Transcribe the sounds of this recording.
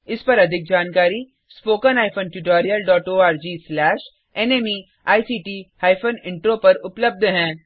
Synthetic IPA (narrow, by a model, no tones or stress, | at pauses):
ɪspɐɾɐd̪ʱɪk̚d͡ʒaːnkaːɾi | spoːkənaːɪfʰoːnʈjuːʈaːɾijəlɖɔːʈoːaːɾd͡ʒiːslɛːʃ | ɛneːmi | aːjsiːʈiːhaːɪfʰoːnɪ̃ɳʈɾoːpɐɾʊpləb̚d̪ʱɦɛ̃ː